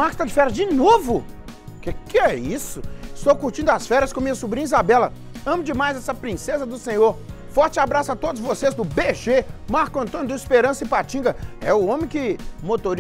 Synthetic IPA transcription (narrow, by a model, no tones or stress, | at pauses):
makɪst̪ad͡ʒɪfɛɾɐd͡ʒɪnovʊ | kekɪɛisʊɪst̪owkuɾt͡ʃĩnd̪ʊasfɛɾɐskõmĩɲɐsubɾĩizabɛlɐ | ɐ̃mʊd͡ʒɪmajzɛsɐpɾĩsezɐd̪ʊsẽɲoɾ | fɔɾt͡ʃɪabɾasʊat̪od̪ʊzvosezd̪ʊbeʒemaɾkʊɐ̃nt̪õnʊd̪ʊispeɾɐ̃sɐɪpat͡ʃĩɡɐɛʊõmẽkɪmot̪oɾ